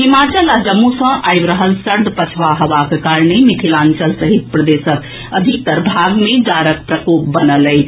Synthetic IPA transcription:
ɦimat͡ʃəlad͡ʒəmːusə̃ʔajbɾəɦəlsəɾd̪ʱpət͡ʃʰʋaɦəʋakekaɾnemit̪ʰilant͡ʃəlsəɦit̪̚pɾəd̪esək | əd̪ʱik̚t̪əɾbʱaɡmed͡ʒaɾək̚pɾəkop̚bənələjt͡ʃʰ

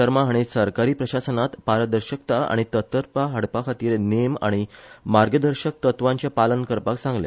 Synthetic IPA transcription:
əɾmaɦaɽ̃isəɾkaɾiːpɾəɕasənat̪paɾəd̪əɾɕəkt̪aa̰ɽ̃it̪ət̪əɾpaɦəɽpakʰat̪iːɾnema̰ɽ̃imaɾɡəd̪əɾɕək̚t̪ət̪ʋãɲt͡ɕjapalənkəɾpaksãŋɡlḛ

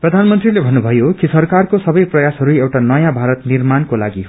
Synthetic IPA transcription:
prʌd̪ʱanmʌnt̪rilebʱʌnːubʱʌjokisʌrkarkosʌbʌjprʌjasɦʌɾuewʈanʌjãbʱaɾʌt̪nirmankolaɡi

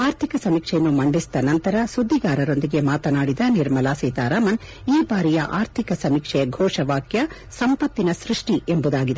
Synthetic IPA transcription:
aːɾt̪ʰikɐsɐmiːkʂɛjɐnːumɐɳɖist̪ɐnɐnt̪ɐɾɐsud̪ʱːiɡaːɾɐɾo̞nd̪iɡe̞maːt̪ɐnaːɽid̪ɐniɾmɐlaːsiːt̪aːɾaːmɐn | iːbaːɾijɐʔaːɾt̪ʰikɐsɐmikʂɛɡʱɔːʂɐʋaːkjɐ | sɐmpɐt̪ːinɐsɾuʂʈiembud̪aːɡid̪e

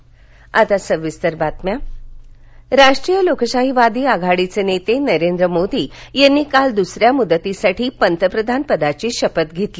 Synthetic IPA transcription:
at̪asəʋːist̪əɾbat̪mja | ɾaʂʈɾijəlokɕaɦiʋad̪iːaɡʱaɽit͡senet̪enəɾend̪ɾəmod̪iːjanːiːkald̪usɾjamud̪ːət̪isaʈʰiːpənt̪əpɾəd̪ʱanpəd̪at͡ɕiːɕəpət̪ɡʱet̪li

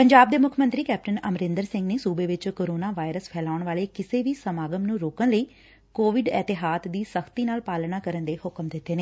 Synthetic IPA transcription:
pəɲd͡ʒaːb̚d̪eːmʊkʰmə̃nt̪ɾiːkɛːp̚ʈənəmɾɪ̃nd̪əɾsɪ̃ŋɡneːsuːbeːʋɪt͡ʃkoːɾoːnaːʋaːɪɾəspʰɛːlaːʊɳʋaːleːkɪseːʋiːsəmaːɡəmnũːɾoːkənləiː | koːʋɪɖɛːt̪ɪɦaːt̪d̪iːsəkt̪iːnaːlpaːlnaːkəɾənd̪eːhʊkmd̪ɪt̪ːeːneː

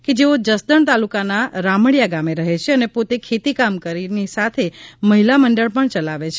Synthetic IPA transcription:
ked͡ʒeod͡ʒəsd̪əɳt̪alukanaɾamɽjaɡameɾəɦet͡ʃʰeənepot̪ekʰet̪ikamkəɾinisat̪ʰeməɦilaməɳɖəɭpəɳt͡ʃəlaʋet͡ʃʰe

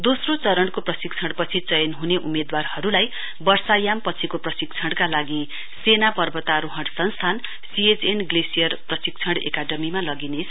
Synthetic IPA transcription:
d̪osrot͡sʌɾʌɳkoprʌsik̚t͡sʰʌɽpʌt͡sʰit͡sʌjʌnɦuneʔumed̪warhʌɾulaj | bʌrsajampʌt͡sʰikoprʌsik̚t͡sʰʌɽkalaɡi | senapʌrbʌt̪aɾoɦʌɽsʌnst̪ʰan | siet͡senɡlesijʌrprʌsiɡ̚t͡sʰʌɽḛkaɖʌmimalʌɡinesʰ

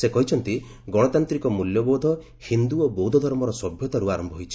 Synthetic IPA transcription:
sekɔɦit͡ʃʰɔnt̪i | ɡɔɽɔt̪ant̪ɾikɔmuljɔbowd̪ʱɔ | hind̪uɔbowd̪ʱɔd̪ʱɔɾmɔɾɔsɔbʱjɔt̪aɾuaɾɔmbʱɔɦojt͡ʃʰi̥

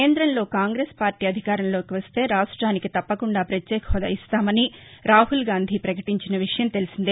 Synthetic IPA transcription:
keːnd̪ɾɐnlo̞ːkaːŋɡɾeːspaːɾʈiːɐd̪ʱikaːɾɐnlo̞ːkiʋɐst̪e̞ːɾaːʂʈɾaːnikit̪ɐpːɐkuɳɖaːpɾɐt̪jeːkʰɐɦɔd̪ɐ̰ist̪aːmɐniɾaːɦulɡaːnd̪ʱipɾɐkɐʈiɲt͡ʃinɐʋiʂɐjɐmt̪e̞lusind̪i

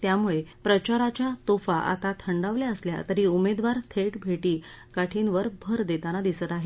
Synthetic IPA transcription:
t̪jamuɭepɾət͡ɕaɾat͡ɕjat̪ofaʔa̰t̪at̪ʰəɳɖaʋljaəslja̰t̪əɾiːumed̪ʋaɾt̪ʰeʈbʱeʈiː | kaʈʰinʋəɾbʱəɾd̪et̪anad̪isət̪aɦe

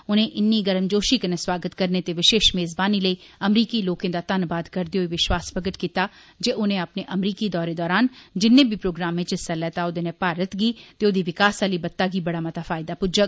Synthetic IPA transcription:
ʊnẽʔɪnːiɡɐɾəmd͡ʒoːʃikenẽswaːɡət̪kɐɾnet̪eʋɪʃeːʃmeːzbaːniləiɐmɾiːkiloːkẽd̪at̪ɐnbaːd̪kɐɾd̪eoiʋɪʃwaːspɾəɡəʈkiːt̪a | d͡ʒeʔʊnẽɐpneʔɐmɾiːkid̪ɔːɾed̪ɔːɾaːnd͡ʒɪnːẽbʱipɾoːɡɾaːmːẽt͡ʃɪsalɛːt̪aod̪enẽpaːɾət̪ɡiːt̪eod̪iʋɪkaːsaːlibɐt̪ːaɡibɐɽamɐt̪afaːjɪd̪apʊd͡ʒək

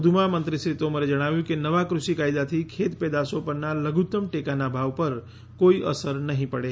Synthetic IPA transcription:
d̪ʱumamənt̪ɾiʃɾit̪oməned͡ʒəɽ̃aʋjũkenəʋakɾʊʃikajd̪at̪ʰikʰet̪ped̪asopəɾnaləɡut̪əmʈekanabʱaʋpəɾ | koiʔə̰səɾnəɦĩpəɽe

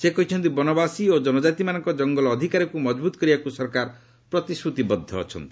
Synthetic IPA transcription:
sekɔɦit͡ʃʰɔnt̪ibɔnɔbasiod͡ʒɔnɔd͡ʒat̪imanɔŋkɔd͡ʒɔŋɡɔlɔːd̪ʱikaɾɔkumɔd͡ʒbut̪ɔ̥kɔɾibakusɔɾkaɾ | pɾɔt̪isɾut̪ibɔd̪ʱːɔːt͡ʃʰɔnt̪i̥

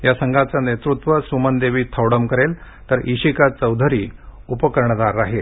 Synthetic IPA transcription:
jasəŋɡʱat͡sanet̪ɾut̪ʋəsumənd̪eʋiːt̪ʰəwɽəmkəɾel | t̪əɾiɕikat͡səwd̪ʱəɾiːupəkəɾɳəd̪aɾːaɦel

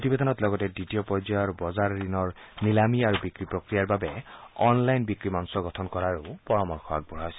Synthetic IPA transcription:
potibed̪ʱɔnɔtlɔɡɔtɛditijɔpɔd͡ʒaɔɹbɔzaɹːinɔɹnilamiaɹubikɹipɹokɹijaɹbabɛɔnlajnbikɹimansɔɡɔtʰɔnkɔɹaɹupɔɹɔmɔɹkʰɔa̰k̚bɔɹaɔjsɛ

